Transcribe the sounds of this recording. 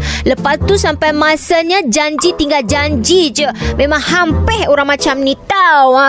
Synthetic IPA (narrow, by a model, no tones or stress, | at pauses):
ləpatt̪ːusampajmasaɲad͡ʒaɲd͡ʒit̪iŋɡald͡ʒaɲd͡ʒid͡ʒəmemãŋhampɛhoɾaŋmat͡ʃamnit̪awa